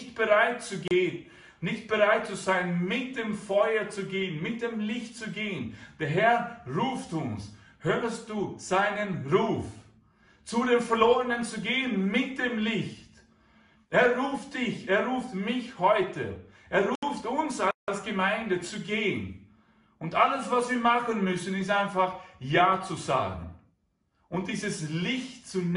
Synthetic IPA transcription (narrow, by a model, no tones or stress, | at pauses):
çtb̥əʁaɪtt͡suɡeː | nɪçt̚b̥əʁaɪt̚t͡suzaɪənmɪt̚d̥eːmfɔʏɐt͡suɡeːənmɪt̚d̥eːmlɪçt̚t͡suɡeːənd̥eːɐɦɛɐʁuːftʊns | høːʁəst̚d̥uːz̥aɪnənʁuːf | t͡sudeːmfɛɐloːʁənənt͡suɡeːənmɪt̚d̥eːmlɪçt | ʔeːɐʁuːftd̥ɪçeːɐʁuːftmɪçhɔʏtʰə̰ | ʔeːɐʁuːftʊnsalsɡ̥əmaɪndət͡suɡeːən | ʊntʔaləsv̥asv̥iːɐmaχənmʏsn̩ɪstaɪnfaχjaːt͡suza̰ːɡŋ̩ | ʔʊnt̚d̥iːzəslɪçtt͡sun